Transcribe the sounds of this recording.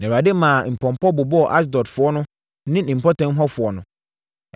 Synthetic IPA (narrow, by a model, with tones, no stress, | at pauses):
nɛ̃˨a˨dɪ˦mã˨m̩˨pʰɔ̃˨m˨pʰɔ˦bʊ˨bɔ˦ɔ˨ʔa˦s̬dɔ˨dfʊ˨ɔ˦nʊ̃˦ | nɪ̃˦n̩˨m̩˨pʰɔ˦tʰã˨˦m̩˦ɦɔ˦fʊ˨ɔ˨˦nʊ̃˨